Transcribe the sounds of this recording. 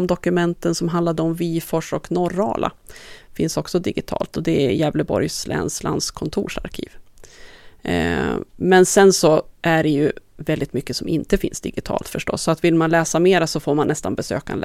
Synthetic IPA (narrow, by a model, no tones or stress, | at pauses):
md̪ɔkɵmɛnt̪ənsɔmɦand̪lad̪əɔmviːfɔʂɔknɔɾɑ̰ːlʔa̰fɪnsɔksɔd̪ɪɡɪt̪ʰɑ̰ːlt̪ɔd̪ɛjɛːvləbɔ̰ɾjslʔɛ̰ːnsla̰nd̪skʰɔnt̪ʰuːʂaɾkʰḭːv | mɛnsɛnsɔʔæɖɛjɵvɛld̪ɪt̪mʏkːəsɔmɪnt̪əfɪnsd̪ɪɡɪt̪ʰɑ̰ːlt̪fœʂʈɔ̰sːɔat̪vɪlmanlɛːsameːɾasɔfoːɾmanːɛst̪anbɛsø̰ːka̰nl